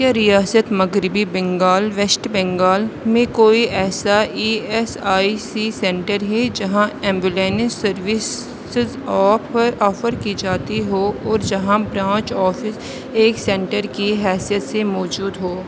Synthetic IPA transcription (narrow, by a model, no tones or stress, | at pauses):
aɾijaːsət̪mɐɡɾɪbibɛ̃ŋɡaːlʋɛsʈbɛ̃ŋɡaːlmẽkoːiʔɛːsaiːɛsaːisisɛ̃ːɳʈəɾɦɛd͡ʒɐɦãɛ̃ːmbɪleːnɪsɐɾʋɪs | ɪz | ɔːppɐɾɔːfəɾkid͡ʒaːt̪iɦoːɔːɾd͡ʒɐɦãbɾãːt͡ʃɔːfɪs | eːksɛ̃ːɳʈəɾkiɦɛːsijət̪semɔːd͡ʒuːd̪ɦoː